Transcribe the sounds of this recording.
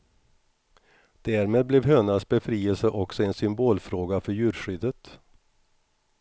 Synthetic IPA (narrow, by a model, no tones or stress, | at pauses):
d̪̥æːɾmeːd̪̚blɛvɦøːnasbɛfɾiːəlsəʔɔksɔɛnsʏmboːlfɾoːɡafœɾjʉ̟ːɾɧʏd̪ət̪